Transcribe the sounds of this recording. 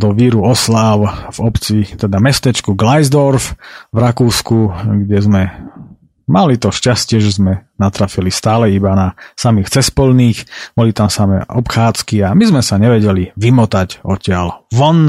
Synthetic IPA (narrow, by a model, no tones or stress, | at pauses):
d̪ɔʋiɾuɔslaʊvɔpt͡sit̪ɛd̪amɛst̪ɛt͡ʃkuɡlajzd̪ɔɾfvɾakuːskuɡɟɛzmɛ | malit̪ɔʃcascɪɛʒɛzmɛnat̪ɾafilist̪aːlɛibanasamiːxt͡sɛspɔlniːxb̥ɔlit̪amsamɛ̰ʔɔpxaːt͡skiamizmɛsaɲɛʋɛɟɛliʋimɔt̪aɟɔcɪalʋɔn